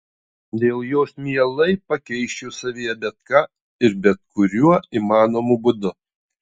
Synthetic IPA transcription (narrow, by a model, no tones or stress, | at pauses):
d̪ʲeːlˠjoːsmʲiɛlˠɐɪpɐkʲɛɪʃʲt͡ʃʲusɐʋʲiːjɛbʲɛt̪̚kɑː | ɪɾbʲɛt̪̚kʊɾʲuɔiːmɑːnoːmuːbʊd̪ʊ